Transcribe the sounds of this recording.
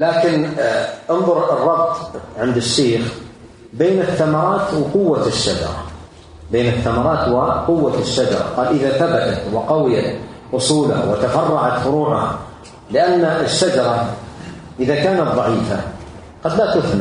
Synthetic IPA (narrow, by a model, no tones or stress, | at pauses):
laːkɪnʔɪnðˤʊɾrˤːɑb̚t̪ˤʕɪnd̪ɪʃːeːx | beːnɪθːamɑɾˤɑːt̪wqʊwːaʃːad͡ʒɑ̰ɾˤɑ̰ | beːnɪθːamɑɾˤɑːt̪wɪqʊwːaʃːad͡ʒɑ̰ɾˤɑ̰qɑːlʔɪðaθabat̪at̪wɪqɑwɪjat̪ʔʊsˤuːlha̰wɪt̪afɑrˤːɑʕat̪fʊɾuːʕʊha̰ | lɪʔanːaʔɪʃːad͡ʒɑɾˤɑ | ʔɪðakaːnat̪ðˤɑʕiːfa̰ | qɑd̪lat̪ʊθna